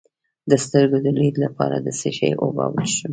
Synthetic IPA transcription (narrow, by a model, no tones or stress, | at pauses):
d̪əst̪əɾɡod̪əbɾid̪lapɑɾad̪əseʃəjʔobɑwəlʃu